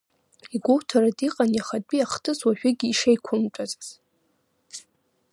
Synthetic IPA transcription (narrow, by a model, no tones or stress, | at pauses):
iɡʷʊwtʰaɾadʼiqʼanjaχatʼiaχtʰɨswaʒᶣʊɡʲiːʂejkʷʰʊmtʷʼazʼz